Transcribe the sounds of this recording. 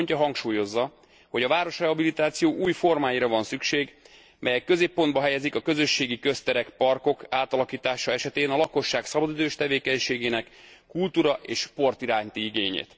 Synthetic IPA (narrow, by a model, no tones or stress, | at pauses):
ɲcɒɦɒŋkʃuːjo̞zːɒ | ho̞ɟɒvaːɾo̞ʃrɛɦɒbilit̪aːt̪sijoːʔuːjfo̞rmaːjiɾɒvɒnsykʃeːɡ | mɛjɛkːø̞zeːpːo̞nd̪bɒɦɛjɛzikɒkø̞zø̞ʃːeːɡikø̞st̪ɛɾɛkpɒrko̞kaːt̪ɒlɒkiːt̪aːʃɒɛʃɛt̪eːnɒlɒko̞ʃːaːksɒbɒd̪id̪øːʃt̪ɛveːkɛɲʃeːɡeːnɛkːult̪uːɾɒʔeːʃpo̞rt̪iɾaːɲt̪iiɡeːɲḛːt̪